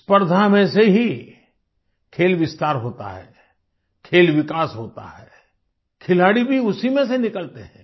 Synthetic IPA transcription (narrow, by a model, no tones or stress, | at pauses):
spəɾd̪ʱamẽseɦi | kʰeːlʋɪst̪aːɾɦoːt̪a̰ɦɛ̰ː | kʰeːlʋɪkaːsɦoːt̪a̰ɦɛ̰ː | kʰɪlaːɽibʱiʊsimẽsenɪkəlt̪eɦɛ̰̃ː